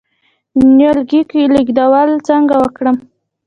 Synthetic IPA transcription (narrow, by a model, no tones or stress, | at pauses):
njolɡikiliɡd̪awalt͡səŋɡawəkɽəm